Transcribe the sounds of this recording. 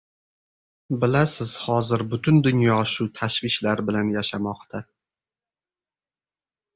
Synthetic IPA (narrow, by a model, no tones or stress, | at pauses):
bɪlasɪz̥hɒzɪɾbʊt̪ʰʊnd̪ʊnjɒʃʊt̪ʰaʃvɪʃlaɾbɪlanjaʃamɒqt̪ʰa